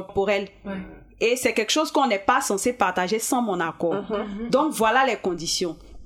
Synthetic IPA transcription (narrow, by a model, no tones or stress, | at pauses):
poʁɛl | esɛkɛlkʃozkəɔ̃nɛpasɑ̃sepaʁt̪aʒesɑ̃mɔ̃nakɔːd̪ɔ̃kvwalalɛkɔ̃d̪isjɔ̃